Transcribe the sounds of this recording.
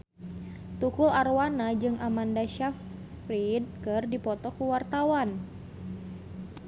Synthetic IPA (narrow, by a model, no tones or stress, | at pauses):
t̪ukularwanad͡ʒɨŋʔamandaʃaf | rid̚kɨrdipɔt̪ɔkuwart̪awan